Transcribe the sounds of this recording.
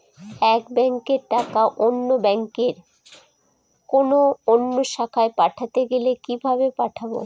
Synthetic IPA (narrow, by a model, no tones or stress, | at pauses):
ɛkbɛŋkeɾʈakaʔonːobɛŋkeɾ | konoonːoʃakʰaepaʈʰat̪eɡelekibʱabepaʈʰabo̰